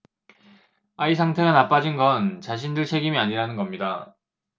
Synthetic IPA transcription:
aisʰaŋtʰe̞ɡanap͈ad͡ʑinɡʌnt͡ɕaɕʰindɯɭt͡ɕʰe̞ɡimiaɲiɾanɯnɡʌmɲida

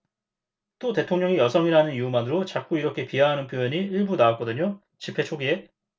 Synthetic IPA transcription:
t͈ote̞tʰoŋɲʌŋijʌsʰʌŋiɾanɯniumanɯɾot͡ɕak͈uiɾʌkʰe̞piɦaɦanɯnpʰjojʌɲiiɭbunawak͈ʌdɯɲo | t͡ɕipʰe̞t͡ɕʰoɡie̞

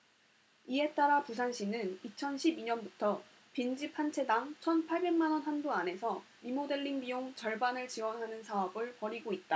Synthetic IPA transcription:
ie̞t͈aɾapus̬ʰanɕ͈ʰinɯnit͡ɕʰʌnɕʰibiɲʌnbutʰʌ | pind͡ʑipʰant͡ɕʰe̞daŋt͡ɕʰʌnpʰaɭbe̞ŋmanwʌnɦandoane̞sʰʌ | imode̞ɭːiŋbijoŋt͡ɕʌɭbanɯɭt͡ɕiwʌnɦanɯnsʰaʌbɯɭpʌɾiɡoit̚t͈a

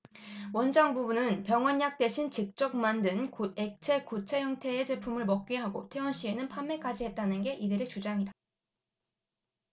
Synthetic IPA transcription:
wʌnd͡ʑaŋbubunɯnpjʌŋwʌɲjak̚t͈e̞ɕʰint͡ɕik̚t͡ɕ͈ʌk̚mandɯnkoe̞k̚t͡ɕʰe̞kot͡ɕʰe̞jʌŋtʰe̞ːd͡ʑe̞pʰumɯɭmʌk̚k͈iɦaɡo̰tʰe̞ʌnɕ͈ʰienɯnpʰamːe̞kʰad͡ʑiɦe̞t̚t͈anɯnɡe̞ʔidɯɾe̞t͡ɕud͡ʑaŋida

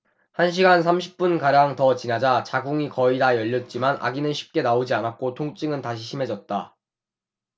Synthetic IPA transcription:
hanɕ̬ʰiɡans̬ʰamɕʰi̥p̚p͈unkaɾjaŋtʌt͡ɕinad͡ʑat͡ɕaɡuŋikʌidajʌʎːʌt̚t͡ɕ͈imanʔa̰ɡinɯnɕʰi̥p̚k͈e̞naod͡ʑianak̚k͈otʰoŋt͡ɕ͈ɯŋɯntaɕ̬ʰiɕʰime̞d͡ʑʌt̚t͈a

